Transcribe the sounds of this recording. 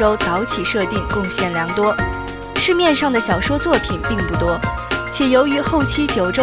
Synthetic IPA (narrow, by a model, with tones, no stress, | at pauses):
o˥ʊt͡sɑ˧˥ʊt͡ɕʰi˨˩ʂɤ˥˧t̪i˥˧ŋkʊ˥˧ŋɕjɛ˥˩nljɑ˧˥ŋt̪wɔ˥ | ʂɻ̩˥˧mjɛ˥˧nʂɑ˥˩ŋd̪ə˩ɕjɑ˨˩ʊʂwɔ˥t͡swɔ˥˩pʰi˨˩npi˥˧ŋpu˥˩t̪wɔ˥t͡ɕʰjɛ˨˩jo˧˥ʊy˧˥xo˥˩ʊt͡ɕʰi˥t͡ɕjo˨˩ʊʈ͡ʂo˥